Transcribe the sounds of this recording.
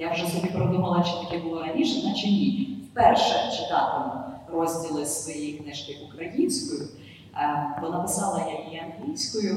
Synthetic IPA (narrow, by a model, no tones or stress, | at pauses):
jawʒɛsɔbʲipɾɔd̪umɐlˠɐt͡ʃɪ̥t̪ɐkʲɛbʊlˠɔɾɐnʲiʃɐnɐt͡ʃɪmʲiwpɛrʃɛt͡ʃɪt̪ɑt̪emʊrɔzʲdʲilˠɪsʋɔjejknɪʃkɪʔʊkɾɐjinʲsʲkɔjʊ | bɔnapɪsɑlˠɐjaiɐnɦlʲijsʲkɔjʊ